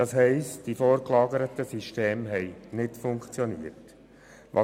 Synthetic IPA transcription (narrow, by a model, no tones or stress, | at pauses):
d̥ɑsɦɛɪstd̥ifɔːɾklɑːɡəɾətəsiʃteːmɦɛjnɪtfʊŋkt͡sjɔniːət | ʋʔɑ̰